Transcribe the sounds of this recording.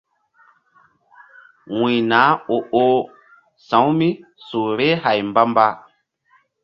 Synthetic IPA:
wĩ˨na˨˦o˨ʔo˦ | sã˨˦wmi˦su˨ɾe˦ha˨jmba˦mba˦

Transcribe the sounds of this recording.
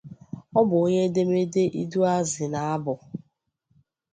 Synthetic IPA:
ɔ˦bʊ˨o˦ɲe˦de˦me˦de˦ʔi˦du˦a˦zɪ˨na˨a˦bʊ˨

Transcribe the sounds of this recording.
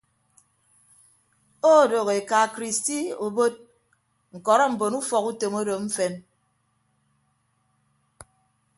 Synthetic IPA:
o˦˨do˨ɣe˨ka˨kɾi˨sti˦o˨bo˦t̚ | ŋ̩˨kɔ˨ɾɔ˦m̩˨bo˨nu˦fɔ˨ku˦to˨mo˦do˨ɱ̩˦fe˦n

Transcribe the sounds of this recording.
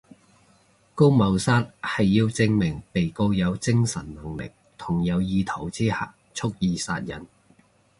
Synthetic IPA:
ko˥wmɐ˨˧wsaː˥t̚hɐ˨jːiː˧wt͡sɪ˧ŋmɪ˨˩ŋpe˨jko˧wjɐ˨˧wt͡sɪ˥ŋsɐ̰˨˩nnɐ˨˩ŋlɪ̰˨˩k̚t̪ʰʊ˨˩ŋjɐ˨˧wjiː˨˧t̪ʰo˨˩wt͡siː˥ha̰ː˨ | t͡ʃʰʊ˥k̚jiː˨˧sa̰ː˧t̚jɐ̰˨˩n

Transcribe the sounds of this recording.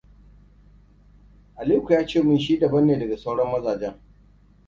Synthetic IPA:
ʔa˨liː˦kʷu˨jaː˦t͡ʃeː˦˨mʊ˦nʃ̬iː˦dɐ˨bɐ˦nːeː˨dɐ˨ɡa˨sa˦wɽɔ˦mːɐ˦zaː˨d͡ʒɛ˦ŋ

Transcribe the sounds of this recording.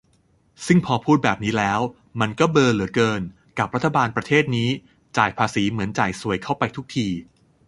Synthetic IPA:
sɯ˥˩ŋpʰɔː˧pʰuː˥˩t̪̚bɛː˨˩p̚niː˦˥lɛː˦˥w | ma˧nkɔː˥˩bɤː˧lɯ˩˦əkɤː˧n | ka˨˩p̚ɾa˥t̪ʰːa˧baː˧npɾa˧t̪ʰeː˥˩t̪̚niː˦˥ | t͡ɕaː˨˩jpʰaː˧siː˩˦mɯ˩˦ənt͡ɕaː˨˩jsu˨˩əjkʰa˥˩wpa˧jt̪ʰu˦˥k̚t̪ʰiː˧

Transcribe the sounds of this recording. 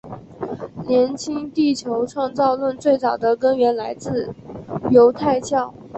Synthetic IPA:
ljɛ˧˥nt͡ɕʰi˥ŋt̪i˥˩t͡ɕʰjo˧˥ʊʈ͡ʂʰwɑ˥˧ŋt͡sɑ˥˧ʊlwə˥˧nt͡swe˥˩ɪt͡sɑ˨˩ʊd̪ə˦kə˥nɥɛ˧˥nla˧˥ɪt͡sɹ̩˥˩jo˧˥ʊt̪ʰa˥˧ɪt͡ɕʰjɑ˥˩ʊ

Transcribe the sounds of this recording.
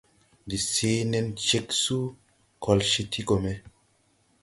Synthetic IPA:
di˨se˨˦nɛ˧nt͡ʃe˨ksu˦ | kʰɔ˨lʃi˨t̪ʰi˦kʼo˨mɛ˦

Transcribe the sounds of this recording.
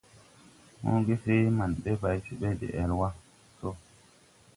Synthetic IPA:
mo̰˦ɡe˦se˦ma˨nɓɛ˦ba˨jsi˨ɓe˦dḛ˨ʔɛ˨lwa˦ | so˦

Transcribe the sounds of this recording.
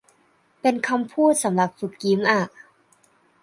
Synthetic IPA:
pe˧nkʰa˧mpʰuː˥˩t̪̚sa˩˦mla˨˩p̚fu˨˩kki˨˦mʔa˧˩

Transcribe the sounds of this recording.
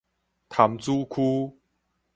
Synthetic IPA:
t̪ʰa˨˦mt͡su˦kʰu˦

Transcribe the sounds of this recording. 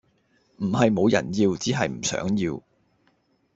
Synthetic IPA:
m̩˨˩hɐ˨jmo˨˧wjɐ̰˨˩njiː˧wt͡siː˨˥ɦɐ˨jm̩˨˩sœ̰ː˨˥ŋjiː˧w

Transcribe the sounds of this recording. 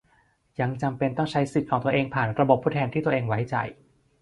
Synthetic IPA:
ja˧ŋt͡ɕa˧mpe˧nt̪ɔ˥˩ŋt͡ɕʰa˦˥jsi˨˩t̪̚kʰɔː˩˦ŋt̪ɐʔeː˧ŋpʰaː˨˩nɾa˧bo˨˩pʰːuː˥˩t̪ʰɛː˧nt̪ʰiː˥˩t̪u˧ɐʔeː˧ŋwa˦˥jt͡ɕa̰˨˧j

